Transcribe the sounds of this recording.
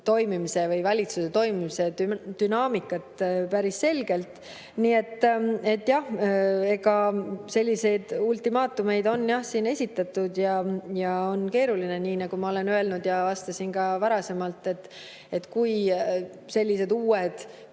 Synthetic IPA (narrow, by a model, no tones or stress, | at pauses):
t̪o̞jmimise̞vɯjvɑlʲit̪suset̪o̞jmimiseyd̪̥ynɑːmikːˑɑt̪pæɾisse̞lɡ̥e̞lt̪ˑ | niːe̞t̪ːe̞t̪ːjɑhe̞ɡɑse̞lʲːise̞jd̪ult̪imɑːt̪ːˑume̞jd̪o̞nːjɑhsiːne̞sʲit̪ːˑɑt̪ːˑud̪̥jɑjɑo̞nke̞ːɾulineniːnɑɡ̥umɑo̞le̞nø̞e̞lnud̪̥jɑvɑst̪ɑsinkɑvɑɾɑse̞mɑlt̪ˑːe̞t̪ː | e̞t̪ːkuj | se̞lʲːise̞d̪uːed̪̥